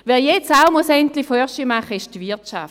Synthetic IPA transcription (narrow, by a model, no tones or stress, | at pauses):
ʋɛːɐjɛt͡saʊmosɛnt̪lɪfœʃimaχəɪʃtvɪɐtt͡ʃa̰ft